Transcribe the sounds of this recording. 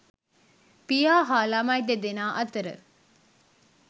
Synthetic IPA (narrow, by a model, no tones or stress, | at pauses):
pijaːɦaːlamajd̪ed̪enaːʔɐt̪əɾə̰